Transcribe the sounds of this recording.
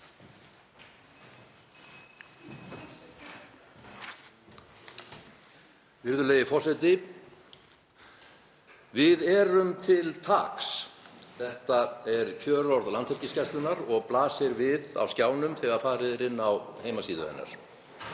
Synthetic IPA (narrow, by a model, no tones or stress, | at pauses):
vɪɾðʏleːjɪfɔrsɛjt̪ɪ | vɪðɛːɾʏmt̪ʰɪlt̪ʰa̰ksθɛht̪aɛɾcʰœːɾɔɾðlant̪ʰɛɾcɪscɛst̪lʏnaɾɔɣplaːsɪɾvɪða̰wscaːwnʏmθɛːɣaɾ̥faːɾɪðɾɪnːawheːjmasiːðʏ̰ðɛ̰nːa̰ɾ̥